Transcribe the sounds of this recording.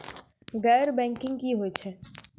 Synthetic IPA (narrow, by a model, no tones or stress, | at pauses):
ɡɛːɾbɛ̃ːŋkɪ̃ŋɡkiɦot͡ʃʰɛ